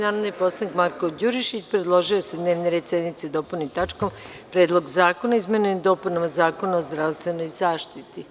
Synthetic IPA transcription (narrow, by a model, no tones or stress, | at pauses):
naːɾod̪nipo̞slˠanikmaɾkod͡ʑuɾiʃit͡ɕpɾed̪lˠo̞ʒiosed̪ne̞ːʋneɾed̪sed̪nit̪sed̪o̞punit̪at͡ʃko̞m | pɾe̞ːd̪lˠo̞ɡzaːkonaizmened̪o̞ːpunamazaːko̞naozd̪ɾaʋst̪ʋe̞no̞jzaːʃt̪it̪i